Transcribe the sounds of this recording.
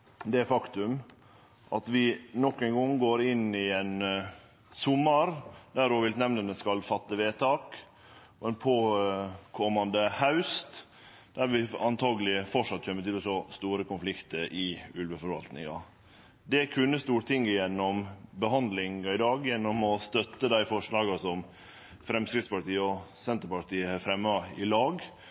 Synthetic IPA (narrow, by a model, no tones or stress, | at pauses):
d̪ɛæfɑkt̪ʉm | ʔɑt̪ʋɪnɔkːɛŋɡɔŋːɡoːɾɪnɪɛn | sʊmːəɾd̪æɾoːʋɪlt̪nɛmnənd̪ɛskɑlfɑt̪ːəʋeːt̪ʰɑːk | ɔɛnpʰoːkʰɔmːɑnd̪əhaʉst̪ | d̪̥æɾʋɪɑnt̪ʰɑːɡəlɪfɔʂɑt̪ːçœmːəɾt̪ɪlɔsɔst̪uːɾəkʊnflɪkt̪əɾʔɪʉlʋəfɔɾʋɑ̰lt̪nɪ̰ŋɑ | d̪ɛkʰʉnːəst̪uːɾʈ̪ʰɪŋːəjɛnːɔmbəɦɑnd̪lɪŋɑɪd̪ɑːɡjɛnːɔmɔst̪œt̪ːəd̪æɪfɔʂɭɑːɡɑsɔm | fɾɛmskɾɪd̪spɑt̪iːəɔsɛnt̪əɾpɑɾt̪iːəhɑfɾɛmːɑɪlɑːɡ